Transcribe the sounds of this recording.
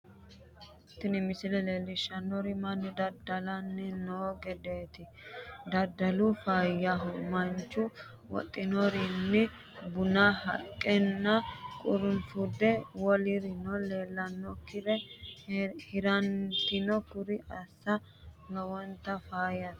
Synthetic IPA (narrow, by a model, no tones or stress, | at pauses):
t̪ːɪnɪmɪsɪlɛleːlːɪʃːɐnːɔɾɪmɐnːɪd̪ɐɾd̪ɐlɐnːɛnoːɡɛd̪eːt̪ɪ | d̪ɐd̪ɐlʊfaːjːɐɦʊmɐnt͡ʃːʊ | wɔ̰t̪ʼːɪnɔɾɪnːɪ | bʊnahɐ̰kʼːɛnːɐkʼʊɾʊnfud̪ɛwɔlɪɾɪnɔleːlːɐnːɔkɪɾɛ | hɪɾɐnt̪ɪnɔkʊɾɪɐsːɐ | lɐwɔnt̪ːɐfaːjɐ